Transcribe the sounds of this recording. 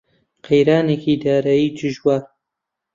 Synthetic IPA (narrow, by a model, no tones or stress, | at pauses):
qʰejɾaːnekid̪aːɾaːjiːd͡ʒɨʒwaːɾ